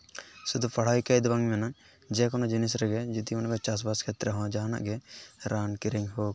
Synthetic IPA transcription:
sud̪upɐɽ̤ajkajd̪baŋmɛna | d͡ʒɛkɔnɔd͡ʒinis̬ɾɛɡɛd͡ʒud̪iunkɔt͡ʃas̬baskʰɛt̪ɾɛɦɔ̃d͡ʒaɦana̰ʔɡɛɾaːnkiɾɛŋɦoːɡ

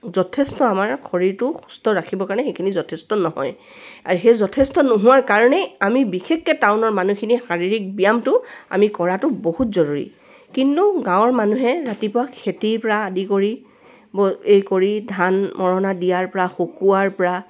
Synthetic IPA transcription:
zɔtʰestɔamaɹkʰoɹiɹtʊxu̥stɔɹakʰibɔkaɹɔnɛxejkʰinizɔtʰestɔnɔɦɔ̰j | a̰ɹuxejzɔtʰestɔnoɦʊwaɹkaɹɔnɛamibixʰekːɛtaʊnɔɹmanukʰinixaɹiɹik̚bijamtʊa̰mikɔɹatʊboɦutzɔɹuɹḭ | kintuɡãwɔɹmanuɦɛɹatipʊakʰetiɹpɔɹaːdikoɹi | bɔejkoɹidʱanmɔɹɔnadijaɹpɔɹaxokuaɹpɔɹa

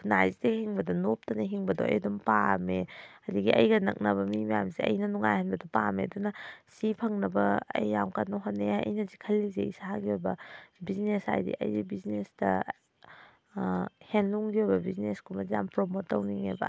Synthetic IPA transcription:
kʰunajzidehiŋbɐdɐnop̚tɐneɦiŋbɐdoɐ̰jdumpameɐdiɡiɐ̰jɡɐnɐ̰k̚nɐbɐmimɐjamsiɐ̰jnɐnuŋajhɐnbɐdɐpamḛɐdunɐsipʰɐŋnɐbɐɐ̰jːawkanoɦonːeɐ̰jnɐzikʰɐlːizeisahaɡiojbɐbiznesa̰jdḭʔɐ̰jzibiznesdɐ̰ | henluŋɡiojbɐbizneskʰumɐzampɾomotːɐwniŋḛbɐ̰

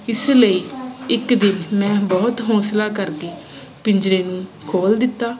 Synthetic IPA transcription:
ɪsləiːɪkd̪ɪnmɛ̃ːbɔːt̪ɦɔːslaːkəɾkeː | pɪɲd͡ʒɾeːnũː | kʰoːld̪ɪt̪ːaː

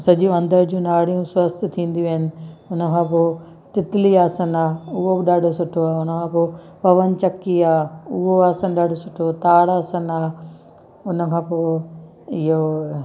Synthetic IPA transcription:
sɐʄũɐ̃nd̪əɾd͡ʑũːnaːɽijũswɐst̪̆t̪ʰĩːn̆d̪ijuɐɪnɪ̆ʊnə̆kʰãːpoː | t̪ɪt̪ɪliaːsənaːʊɦobɪɗaːɖʱosʊʈʰoaːʊnə̆kʰãːpoː | pɐʋənɪ̆t͡ɕɐkːiaːʊɦoaːsənɗaːɖʱosʊʈʰot̪aːɽaːsənaː | ʊnə̆kʰãːpoː | ɪɦo

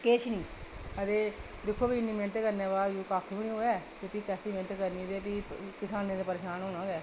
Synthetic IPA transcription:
keːʃnĩːəd̪eː | d̪ɪkʰːoːpiːɪnːiːmẽɳʈeːkəɾneːbaːd̪ikaːkʰbɪɳĩːɦoːɛːt̪eːpiːkɛːsiːmẽɳʈːkəɾniːd̪eːp̬iːkɪsaːnẽːd̪eːpəɾeːʃaːnɦoːnãːɡɛː

